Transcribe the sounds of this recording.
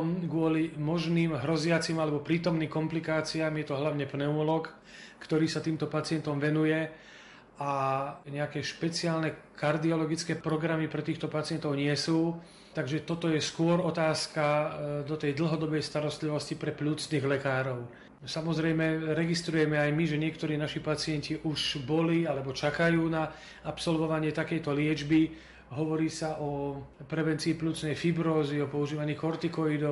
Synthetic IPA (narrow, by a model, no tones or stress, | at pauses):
mɡʊɔlimɔʒniːmɦɾɔzɪat͡simalɛbɔpɾiːt̪ɔmniːmkɔmplikaːt͡siaːmjɛt̪ɔɦlaʊɲɛpnɛuulɔk | kt̪ɔɾiːsat̪iːmt̪ɔpat͡sɪɛnt̪ɔmʋɛnujɛ | aɲɛakɛʃpɛt͡sɪaːlnɛkaɾd̪iɔlɔɡit͡skɛːpɾɔɡɾamipɾɛt̪iːxt̪ɔpat͡sɪɛnt̪ɔʊɲɪɛsuː | t̪aɡʒɛt̪ɔt̪ɔjɛskʊɔɾɔt̪aːskad̪ɔt̪ɛjd̪l̩ˠɦɔd̪ɔbɛjst̪aɾɔst̪liʋɔscipɾɛpʎuːt͡sniːɣlɛkaːɾɔʊ | samɔzɾɛjmɛɾɛɡist̪ɾujɛmɛajmiʒɛɲɪɛkt̪ɔɾiːnaʃipat͡sɪɛnciʔuʒbɔlialɛbɔt͡ʃakajuːna | apsɔlʋɔʋaɲɪɛt̪akɛjt̪ɔlɪɛd͡ʒbi | ɦɔʋɔɾiːsaʔɔpɾɛʋɛnt͡siːpʎuːt͡snɛjfibɾɔːziɔpɔuʒiːʋaɲiːkɔɾt̪ikɔid̪ɔ